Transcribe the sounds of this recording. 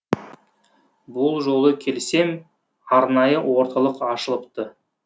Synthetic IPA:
bʊlˠʒo̞lˠəkʲʰe̞lse̞m | ɑɾnɑjəwo̞ɾt̪ɑlˠəqɑʃəlˠəp̚t̪ə

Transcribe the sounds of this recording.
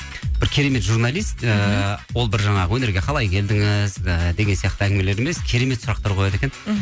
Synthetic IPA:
b̥ɪɾkʲʰe̞ɾe̞me̞t̪ʒurnɑlˠijst̪əwo̞lˠbɪɾʒɑɴɑʁəwɵne̞ɾɡʲe̞qʰɑlˠɑjkʲʰe̞ld̪ɪŋɪzəd̪e̞ɡ̪ʲsijɑq̚t̪əæŋʲɡʲɪme̞leɾeme̞skʲʰe̞ɾe̞me̞t̪sʊɾɑqt̪ɑɾqʰo̞jɑd̪e̞kʲen

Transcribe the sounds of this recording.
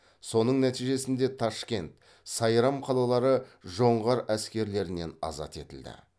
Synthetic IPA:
so̞nəɴnæt̪ijʒe̞sɪnd̪e̞t̪ʰɑʃkʲe̞nt̪ | sɑjɾɑmqʰɑlˠɑlˠɑɾəʒo̞ɴʁɑɾæskʲe̞ɾle̞ɾɪne̞nɑ̰zɑ̰t̪e̞t̪ɪld̪ɪ̰

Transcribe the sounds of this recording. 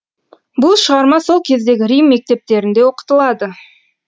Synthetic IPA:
bʊlˠʃəʁɑɾmɑso̞lˠkʲʰe̞zd̪e̞ɡʲɪɾijmːe̞k̚t̪e̞p̚t̪e̞ɾɪnd̪e̞wo̞qə̥t̪əlˠɑd̪ə

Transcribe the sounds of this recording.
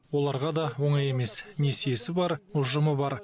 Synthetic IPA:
wo̞lˠɑɾʁɑd̪ɑwo̞ɴɑje̞me̞sne̞sejesɪbɑɾʊʒʊməbɑɾ

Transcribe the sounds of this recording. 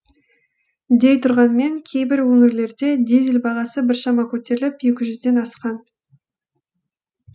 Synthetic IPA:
d̪e̞jt̪ʰʊɾʁɑnme̞ŋkʲʰe̞jbɪɾwɵŋɪɾle̞ɾd̪e̞d̪izɪlbɑʁɑsəbɪɾʃɑmɑkʲʰɵt̪e̞ɾɪlɪpjekʲɪʒʏzd̪e̞nɑsqɑn

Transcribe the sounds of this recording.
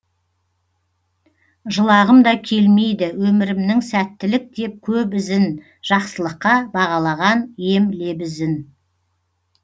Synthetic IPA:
ʒəlˠɑʁəmd̪ɑkʲʰe̞lme̞jd̪ɪwɵmɪɾɪmnɪŋsæt̪ːɪlɪk̚d̪e̞p̚kʲʰɵpɪzɪn | ʒ̥ɑqsəlˠəqːɑbɑʁɑlˠɑʁɑnje̞mle̞bɪzɪn

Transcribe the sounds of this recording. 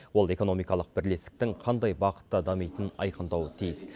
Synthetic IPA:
wo̞lˠe̞ko̞no̞mijkɑlˠəq̚bɪɾle̞st̪ɪ̥k̚t̪ɪŋqʰɑnd̪ɑjbɑqə̥t̪ːɑd̪ɑmijt̪ənɑ̰jqənd̪ɑwət̪ʰijɪs

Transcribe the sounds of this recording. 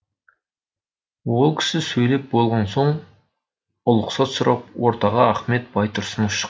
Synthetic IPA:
wolˠkʲʰɪ̥sɪsɵjlep̚bolˠʁɑnsoɴ | ʊlˠʊqsɑt̪sʊɾʔɑp̚woɾt̪ʰɑʁɑæχmet̪̚b̥ɑjt̪ʰʊɾsʊnʊʃə̥q

